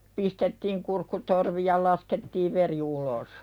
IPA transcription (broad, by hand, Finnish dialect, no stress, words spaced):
pistetːiːŋ kurkːutorʋi jɑ lɑsketːiːʋ ʋeri ulos